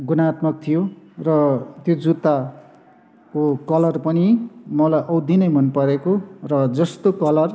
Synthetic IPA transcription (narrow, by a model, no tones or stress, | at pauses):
ɡunat̪mʌk̚t̪ʰijorʌt̪jod͡zut̪a | kokʌlʌrpʌnimʌlajʔʌwd̪inʌjmʌnpʌɾekorʌd͡zʌst̪okʌlʌr